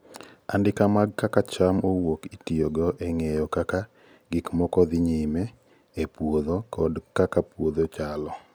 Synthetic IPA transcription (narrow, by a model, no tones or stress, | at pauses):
andɪkamaɡkakat͡ʃamowokitijoɡɔʔeŋejɔkaka | ɡɪkmɔkɔd̪ɪɲɪme | epwoðokʰɔdkakapwod̪ot͡ʃalɔ